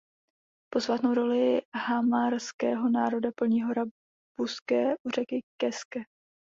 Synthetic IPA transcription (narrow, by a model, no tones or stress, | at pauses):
po̞svaːt̪no̞wɾo̞lɪɦamaɾskɛːɦo̞naːɾo̞dapl̩ɲiːɦo̞ɾa | b̥uskɛːʔur̝ɛkɪkɛskɛ